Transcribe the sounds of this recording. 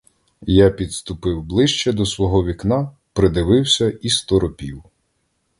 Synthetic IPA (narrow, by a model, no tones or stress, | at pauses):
japʲid̪st̪ʊpɪwblˠɪʃt͡ʃɛd̪ɔsʋɔɦɔʋʲiknɑ | pɾɪd̪ɪʋɪwsʲɐist̪ɔɾɔpʲiw